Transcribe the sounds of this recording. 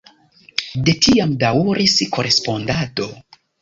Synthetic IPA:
de̞tiamdawuɾiskoɾʔe̞spo̞ndato̞

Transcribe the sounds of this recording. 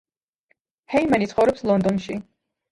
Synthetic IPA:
hɛimanit̪sʰχɔvɾɔpslˠɔnd̪ɔnʃi

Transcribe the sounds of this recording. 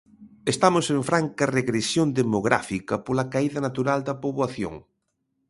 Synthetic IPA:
est̪amosẽɱfɾaŋkɐreɣɾesjond̪emoɣɾa̰fikɐpolɐkaiðɐnat̪uɾald̪ɐpoβwaθjo̰ŋ

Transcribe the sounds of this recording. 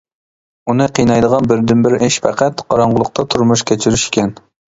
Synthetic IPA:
unɨqʰijnɑjd̪əʁɑnbɪɾd̪ɪnbɪɾɪʃpʰæqæt̪qʰɑɾɑɴʁʊlˠʊq̚t̪ʰɑt̪ʰuɾmuʃkʲɛt͡ʃʰiɾyʃɪ̥kʲʰɛn

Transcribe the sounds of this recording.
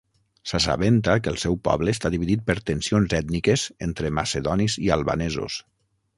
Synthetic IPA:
sasa̰βent̪akəlˠsɛwpɔ̰βləːst̪aðiβiðit̪̚pəɾt̪ənsionzɛt̪nikəzent̪ɾəmaseðɔnizialˠβa̰nɛzuo̰s

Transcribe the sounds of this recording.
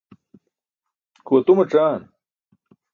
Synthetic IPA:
koːt̪umɐʈ͡ʂaːn

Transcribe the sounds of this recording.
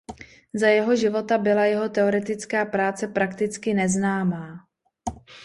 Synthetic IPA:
zajɛɦo̞ʒɪvo̞t̪abɪlajɛɦo̞t̪ɛo̞ɾɛt̪ɪt͡skaːpɾaːt͡sɛpɾakt̪ɪt͡skɪnɛznaːmaː

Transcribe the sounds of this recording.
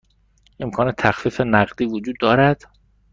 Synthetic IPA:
ʔe̞mkʰɒːne̞t̪ʰæxfiːfenæɢd̪iːvod͡ʒuːd̪ːɒːɾæd̪̥

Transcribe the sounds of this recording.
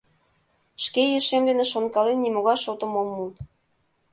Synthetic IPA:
ʃkejiʃemd̪enĕʃonkɑlenːimoɣɑjʃot̪ŏmomːu

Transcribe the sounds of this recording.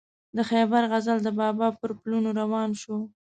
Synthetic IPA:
d̪əxebaɾɣazald̪əbɑbɑpəɾplunoɾawɑnʃo

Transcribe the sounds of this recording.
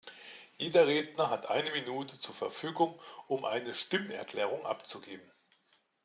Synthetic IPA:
jeːdɐʁeːdnɐɦatʔa̰ɪnəminuːtʰət͡suːɐfɛɐfyːɡʊŋʔʊmʔa̰ɪnəʃtɪmnɛ̰ɐkl̥ɛːʁ̞ʊŋʔa̰pt͡suɡeːbm̩

